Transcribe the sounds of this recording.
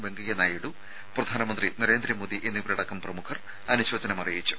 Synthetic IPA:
be̞ŋɡɐjɐnaːjiɽu | prɐd̪ʱaːnɐmɐnd̪rinɐɾe̞ːnd̪ɾimoːd̪iʔenːiʋiɾɐɽɐkːɐmprɐmukʰɐr | ɐnuɕo̞ːd͡ʑɐnɐmɐrijeit͡ɕːu̥

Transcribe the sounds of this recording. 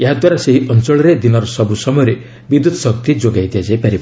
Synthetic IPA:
eɦad̪waɾaseɦiʔɔnt͡ʃɔɭɔɾed̪inɔɾɔsɔbusɔmɔjɔɾe | bid̪ud̪ɔsɔkt̪id͡ʒoɡajd̪ijad͡ʒajpaɾib

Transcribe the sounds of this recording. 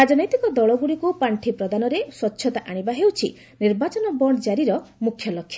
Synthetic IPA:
ɾad͡ʒɔnɔjt̪ikɔd̪ɔɭɔɡuɽikupaɳʈʰipɾɔd̪anɔɾeswɔtːʃʰɔt̪aʔaɽ̃ibaɦewt͡ʃʰḭ | niɾbat͡ʃɔnɔbɔɽ̃ɔd͡ʒaɾiɾɔmukʰːjɔlɔkʰːja

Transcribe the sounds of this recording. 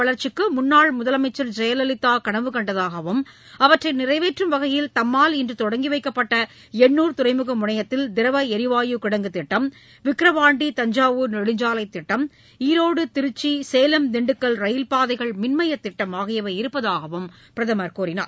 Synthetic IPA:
ɐɭɐɾt͡ʃɪkːɯmʊnːaːɭmʊðɐlɐmɐɪt͡ʃːɐld͡ʒɛjɐlɐlɪt̪ːaːkɐɳɐʋɯkɐɳɖɐðaːɣɐʋɯm | ɐʋɐʈrɐɪnɪrɐɪʋeːʈrɯmʋɐɣɐjɪlt̪ɐmːaːlɪndrɯt̪ɔɽɐŋɡiʋɐɪkːɐpːɐʈːɐ | ɛɳːuːɾt̪ʊɾɐɪmɯɣɐmʊɳɐjɐt̪ːɪld̪ɪɾɐʋɐɛɾɪʋaːjɯkɪɽɐŋɡɯt̪ːɪʈːɐm | ʋɪkɾɐʋaːɳɖit̪ɐɲd͡ʒaːʋɯnɛɽɯɲd͡ʒaːlɐɪt̪ːɪʈːɐm | iːɾoːɽɯt̪ɪɾɯt͡ʃːiseːlɐmd̪ɛɳɖɯkːɐɭɾɐjɪlpaːðɐɪɣɐɭmɪnmɐjɐt̪ːɪʈːɐmaːɣɪjɐʋɐɪɾɯpːɐðaːɣɐʋɯm | pɪɾɐðɐmɐɾkuːɾɪna̰ːɾ

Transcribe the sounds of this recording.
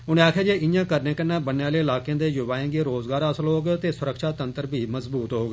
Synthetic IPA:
ʊnẽːaːkʰjaːd͡ʒeːʔɪjãːkəɾnẽːkənːãːbənːeãːleːɪlaːkejãːd̪eːjʊbaːjẽːɡeːɾoːzɡaːɾəsəlɦoːɡt̪eːsʊɾəkʃaːt̪ənt̪əɾbʱiːməzbuːt̪ɦoːɡ

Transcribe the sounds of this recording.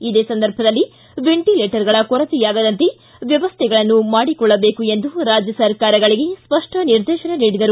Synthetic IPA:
id̪e̞ːsɐnd̪ɐɾbʱɐd̪ɐlːi | ʋe̞ɳʈileːʈɐɾɡɐɭɐkɔɾɐt̪ijaːɡɐd̪ɐnt̪e̞ | ʋjɛʋɐst̪ʰɛɡɐɭɐnːumaːɽikɔɭːɐbeːkue̞nd̪uɾaːd͡ʒjɐsɐɾkaːɾɐɡɐɭiɡe̞spɐʂʈɐniɾd̪ɛːʃɐneniːɽid̪ɐɾu

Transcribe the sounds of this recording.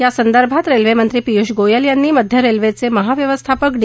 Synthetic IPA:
jasənd̪əɾbʱat̪ɾelʋemənt̪ɾiːpijuɕɡojəljanːiːməd̪ʱjəɾelʋet͡seməɦaʋjəʋəst̪ʰapəkd̪

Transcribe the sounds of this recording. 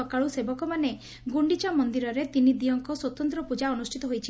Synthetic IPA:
ɔkaɭusebɔkɔmane | ɡuɳɖit͡ʃamɔnd̪iɾɔɾet̪inid̪ijɔŋkɔswɔt̪ɔnt̪ɾɔpud͡ʒaɔnusʈʰit̪ɔɦojt͡ʃʰi

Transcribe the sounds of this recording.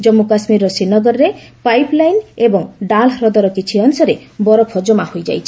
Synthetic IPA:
d͡ʒɔmːukasmiɾɔsinɔɡɔɾɔɾepajplajnebɔŋɖalɦɾɔd̪ɔɾɔkit͡ʃʰiɔnsɔɾebɔɾɔpʰɔd͡ʒɔmahojd͡ʒa̰jt͡ʃʰi̥

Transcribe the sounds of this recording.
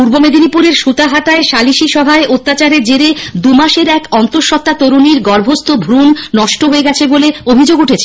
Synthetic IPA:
puɾbomed̪inipuɾeɾʃut̪aɦaʈaeʃaliʃiʃɔbʱaeʔot̪ːat͡ɕaɾeɾd͡ʑeɾed̪umaʃeɾɛkɔnt̪oɾʃɔt̪ːat̪oɾuniɾɡɔɾbʱost̪obʱɾunːɔʃʈoɦoeɡɛt͡ɕʰeboleobʱid͡ʑoɡuʈʰet͡ɕʰe

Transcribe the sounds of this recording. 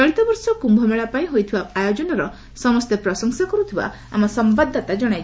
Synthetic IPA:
ɔɽit̪ɔbɔɾsɔkumbʱɔmeɭapaĩɦojt̪ʰibaajod͡ʒɔnɔɾɔ | sɔmɔst̪epɾɔsɔŋsakɔɾut̪ʰiba̰ | a̰mɔsɔmbad̪ʱːat̪ad͡ʒɔɽ̃ajt͡ʃʰ

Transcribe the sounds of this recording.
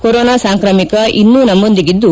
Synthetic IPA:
koɾoːnaːsaːŋkɾɐmikɐʔinːuːnɐmːond̪iɡid̪ːu

